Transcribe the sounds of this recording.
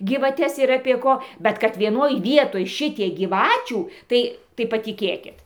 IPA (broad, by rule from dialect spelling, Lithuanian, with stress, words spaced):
ɡʲiːʋɐˈtʲɛs ɪr ɐpʲiɛ ˈkoː ˈbʲɛt kɐt ʋʲiɛˈnoːj ˈʋʲiɛtoːj ˈʃʲɪtʲiɛk ɡʲiːˈʋɑːt͡ʃʲuː ˈtɐɪ tɐɪ pɐtʲɪˈkʲeːkʲɪt